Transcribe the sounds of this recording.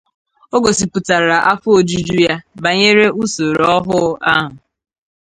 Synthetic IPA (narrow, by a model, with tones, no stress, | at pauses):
o˦ɡo˨si˨pu˨ta˨ɾa˨ʔa˦fʊ˦o˨d͡ʒu˦d͡ʒu˦ja˦ba˨ɲe˦ɾe˦u˦so˨ɾɔ˦ɦʊ˦a˦ɦʊ˨